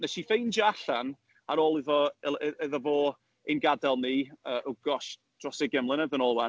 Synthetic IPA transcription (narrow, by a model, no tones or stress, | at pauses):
nɛʃifejnd͡ʒaɬan | aɾoːlˠɪðɔɛðɔvoː | enɡadɛlˠniːəʔʊɡɔʃ | d̥rɔseɡɛmlˠɪnəðənɔːlˠwɛ